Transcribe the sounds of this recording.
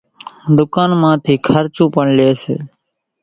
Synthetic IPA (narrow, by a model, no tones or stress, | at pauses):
d̪ʊkaːnmãːt̪ʰiːkʰəɾt͡ʃũːpəɳleːsḛː